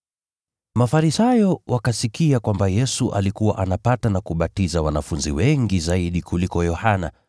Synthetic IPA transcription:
mafaɾisajɔwakasikiakwambajɛsuʔa̰likuwa̰ʔanapatanakuɓatizawanafunziwɛŋɡizaiɗikulikɔjɔhana̰

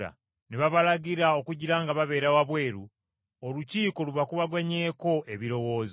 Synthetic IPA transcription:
a̰ | neβaβalaɟiɾao̞kuɟiɾaːŋɡaβaβe̞ːɾawaβwe̞ːɾu | oluciːko̞luβakuβaɡwaɲeːko̞ʔe̞βiɾo̞wo̞ːz

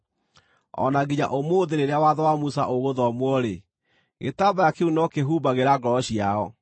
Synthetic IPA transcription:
ɔ̰naɡiɲa̰ʔomoːðeɾeɾeawaðɔwamusa̰ʔoɣoðɔmwɔɾe | ɣḛtabajakeunɔkeɦubaɣeɾaɡɔɔɕiaɔ

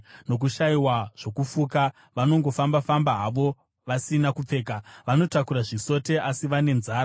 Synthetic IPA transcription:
no̞k̬uʃaiwaʐ̥o̞kufuka | ʋano̞ŋɡo̞fambafambaɦaʋo̞ | ʋasinakup͡fe̞ːkaʋano̞takuɾaʐiso̞te̞ʔasiʋane̞nzaːɾa

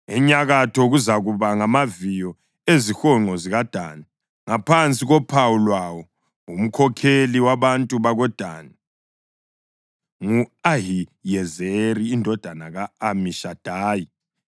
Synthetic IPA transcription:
ɛɲaɣatʰɔɣuzaɣuβaŋamavijɔ | ezixɔŋ͡ǃɔziɣad̥ʱaːna | ŋapʰant͡sʼiɣɔpʰawulwawɔ | um̩kʰɔkʰeliwaβantʼuβaɣɔd̥ʱa̰na | ŋuaɦijɛzeɾiːndʱɔd̥ʱanaɣaːmiʃad̥ʱaːji

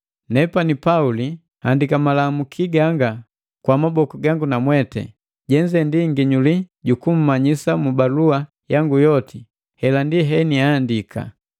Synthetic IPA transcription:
nɛpanipauli | handikamalamukʰiɡaŋɡa | kwamabɔkuɡaŋɡunamwɛtɛ̰ | ɟɛɲd͡ʒɛndiŋɡiɲuliɟukum̩maɲisamubalua | jaŋɡujɔti | hɛlandiɦɛniaːndikʰa̰

